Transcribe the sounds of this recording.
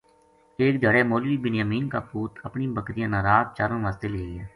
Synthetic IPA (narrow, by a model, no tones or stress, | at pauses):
eːk̚d͡ʒəɽeːmoːliːbɪnjaːmiːnkaːpuːt̪ʰəpnĩbəkɾɪjãːnaːɾaːt̪̚t͡ʃaːɾənʋaːst̪eːleiɛː